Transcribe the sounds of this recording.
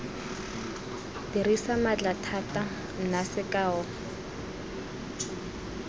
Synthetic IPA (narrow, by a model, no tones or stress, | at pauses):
dirisamat͡ɬatʰatʼa | n̩nasɪkʼaːɔ